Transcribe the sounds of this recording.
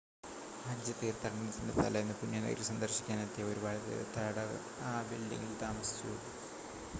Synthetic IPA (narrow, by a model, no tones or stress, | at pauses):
hɐd͡ʑɐt̪ːeːrt̪ːɐɐɳɐnɐt̪indɐt̪ːɐ̰lɐjenːɨpunjɐːnḛɾusɐnd̪ɐrɕi̥kʲːaːnet̪ːjɐo̞ɾubaːɽɐt̪ːḛːt̪ːɐɽɐɐ̰ | aːbilɖḭŋːilt̪aːmɐsi̥t͡ɕːṵ